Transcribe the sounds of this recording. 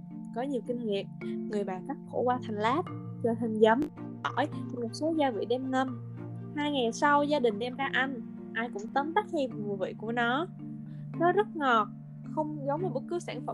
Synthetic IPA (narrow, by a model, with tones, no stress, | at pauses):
kɔ˨˦ɲi˨˩əwkï˧ŋ̟ŋḭ˨əmŋɨ˨˩əjɓaː˨˩kaː˦˥k̚xo̰˧˩kwaː˧t̪ʰa˨˩jŋ̟laː˦˥p̚t͡ɕɔ˧˩ɦi˨˩ŋ̟zə˨˦m | ʔɔ˧˩jt̪ʰmo˨˩t̚so˨˦zaː˧vḭ˧˨ɗɛ˧mnə˧m | haː˧jŋa˨˩jsa˧wzaː˧ɗï˨˩ŋ̟ʔɛ˧mɗaː˧ʔa˧ŋ̟ | ʔaː˧jkʊ̰˧˥ŋ͡mt̪ə˨˦mt̪a˦˥k̚hi˧vvu˨˩əvḭ˧˨ku˧˩ənɔ˨˦ | nɔ˨˦zə˦˥t̚ŋɔ˨˩t̚ | xə˧wŋ͡mzə˨˦ŋ͡maː˨˩ɓə˦˥t̚kɨ˨˦wsaː˧˩ŋfə̰˧˩